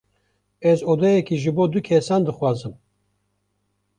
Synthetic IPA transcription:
ɛzoːd̪ɛjɛkiʒɨboːd̪ukʰɛsɑːnd̪ɨxwɑːzɨm

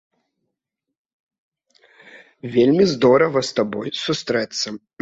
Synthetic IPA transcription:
vʲelʲmʲizd̪ɔɾɐvɐst̪abɔjsust̪ɾɛt̪sːɐ

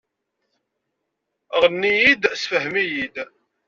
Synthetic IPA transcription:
ʁənːijid̪sfəɦmijid̪

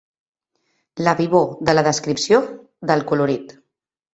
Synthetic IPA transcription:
ləβiβoðələðəskɾipsio | ðəlˠkuluɾit̪

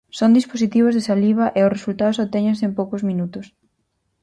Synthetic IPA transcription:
sond̪isposit̪iβ̞ʊzðesaliβɐʔeʊsresult̪aðʊsot̪ɛɲensempowkʊzminut̪ʊs

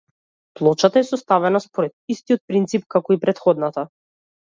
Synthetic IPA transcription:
plˠɔt͡ʃat̪aɛsɔst̪avɛnaspɔɾɛt̪̚ist̪ijɔt̪̚pɾint̪sipkakɔipɾɛt̪xɔd̪nat̪a

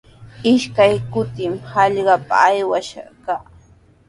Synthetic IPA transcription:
ɪʃkajkʊt̪ɪmhɑʎɢɑpa̰ːjwaʃɑ̰kaː

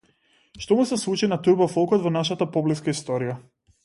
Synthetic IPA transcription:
ʃt̪ɔmusɛslˠut͡ʃinat̪uɾbafɔlˠkɔd̪vɔnaʃat̪apɔbliskaist̪ɔɾija

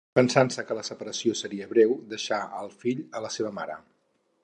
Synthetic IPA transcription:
pənsansəkələsəpəɾəsiosəɾiəβɾɛwd̪əʃaəlˠfiʎələseβəmaɾə

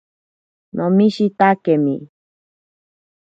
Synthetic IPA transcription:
nʔõmĩʃit̪akemḭ̃

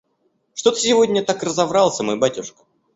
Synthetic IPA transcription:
ʂt̪o̞t̪ə̥sʲɪvo̞dʲnʲət̪akrəzɐvɾɑlˠsʲəmojbatʲʊʂkə̥

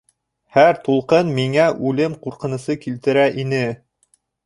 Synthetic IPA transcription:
hæɾt̪ulˠqɤnmiŋæʔʉlɘmquɾqɤ̆nɤ̆sɤkilt̪ɘ̆ɾæʔinɘ

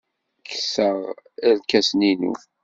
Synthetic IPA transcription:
kːə̥səʁælkæsninṵ

